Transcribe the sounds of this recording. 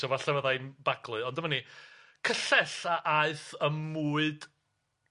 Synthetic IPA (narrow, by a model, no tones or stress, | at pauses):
ɔvaɬɛvəðajnbaɡlˠʊɨɔndəmani | kʰəɬɛɬaʔaɨθəmːuːɨd̥